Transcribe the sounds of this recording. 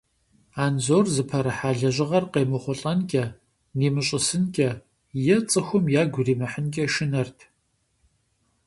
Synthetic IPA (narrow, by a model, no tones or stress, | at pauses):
aːnzoːrzɨpʰɐɾɐħaːɮɐʑɪʁɐrqeːmɨχʷɔɬʼɐnkʲʼɐ | neːmɨɕʼɪsɨnɡʲʼɐ | jɛt͡sʼɨxʷʊmjaːɡʷʊriːmɐħənkʲʼɐʃɪnɐrtʰ